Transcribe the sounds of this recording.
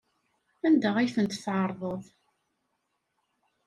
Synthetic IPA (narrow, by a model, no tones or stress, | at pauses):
ænd̪əʁæjθənt̪θʕɑɾˤðˤəðˤ